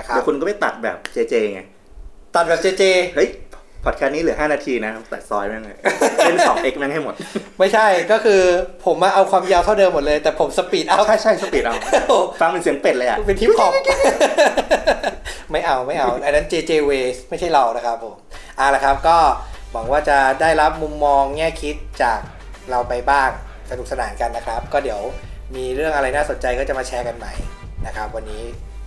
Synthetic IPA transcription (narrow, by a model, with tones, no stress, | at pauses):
kʰa˦˨˦kʰu˧nkɔ˥˩a˥˩t̪a̰˨˩t̪̚bɛ̰ː˨˩p̚t͡ɕeː˧t͡ɕeː˧˩ŋa˧˩j | t̪a˨˩t̪̚bɛː˨˩p̚t͡ɕeː˧t͡ɕeː˧hɤ˦˥jʰpʰɔː˨˩t̪̚kʰaː˧˥niː˦˥lɯ˩˦haː˥˩naː˧t̪ʰiː˧na˦˥ka˦˥t̪a̰˨˩sɔ̰ː˦˥jm˦˥˩ŋa˧˩je˥˩nsɔː˩˦ŋʔe˧˦˥k̚a˧˦na˥˩ɦa˥˩mo˨˩t̪̚ma˥˩jt͡ɕʰa˥˩jkɔː˥˩kʰɯː˧pʰo˩˦mːa˧ʔa˧wkʰwaː˧mjaː˧wt̪ʰa˥˩dɤː˧mːo˨˩t̪̚lɤː˧jt̪ɛː˨˩pʰo˨˩˦msa˧pi˨˩ʔa˧˩wʰa˥˩jt͡ɕʰa˥˩jsa˧piː˨˩t̪ʔa˧˩˧fa˧ŋpe˧nsi˩˦əŋpe˨˩t̪̚lɤː˧ʔa̰˨˩pe˧nt̪ʰiː˦˥˩kʰɔː˨˩˦ | ma˥˩jʔa˧wma˥˩jʔa˧wʔa˧jna˦˥nt͡ɕeː˧t͡ɕeː˧weː˧ma˥˩jt͡ɕʰa˥˩jɾa˧wna˦˥kʰɾa˦˥p̚ʰːoː˨˩˦mʔa˨˩la˨˩kʰa˦˥p̚kɔː˥˩mɔː˩˦k̚waː˥˩t͡ɕa˨˩daː˥˩jɾa˦˥p̚mu˧mːɔː˧ŋːɛː˥˩kʰi˦˥t̪̚t͡ɕaː˨˩k̚ | ɾa˧wpa˧jbaː˥˩ŋ | sa˧nu˨˩k̚sa˧naː˩˦nka˧nːa˦˥kʰɾa˦˥p̚kɔː˥˩di˩˦əw | miː˧ɾɯ˥˩əŋʔa˧ɾa˧jnaː˥˩so˨˩˦nt͡ɕa˧jkɔː˥˩t͡ɕa˨˩maː˧t͡ɕʰɛː˦˥ka˧nma˦˥j | na˦˥kʰa˦˥p̚wa˧nːiː˦˥